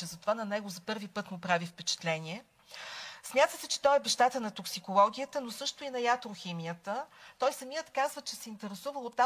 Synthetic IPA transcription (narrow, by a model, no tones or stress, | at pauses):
ɛzɐt̪ovanɐnɛɡozɐpɤɾvipɤt̪mopɾavifpɛt͡ʃɛ̥t̪lɛnʲiɛ | smʲjat̪əsɛt͡ʃɛ̥t̪ɔɛbɛʃt̪at̪ənɐt̪oksikolˠɔɡ̟ʲiət̪ənosɤʃt̪oinɐjat̪ɾoximijət̪ət̪ɔjsɐmijət̪kazvət͡ʃɛsɛint̪ɛɾɛsuvəlˠot̪ːa